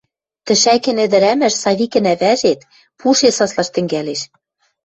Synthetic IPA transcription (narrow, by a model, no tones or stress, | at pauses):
t̪ɘ̆ʃækɘ̆nɘ̆d̪ɘ̆ɾæmɘ̆ʃsɑβʲikɘ̆næβæʒet̪ | pʰuʃesɑslˠɑʃt̪ɘ̆ŋɡæleʃ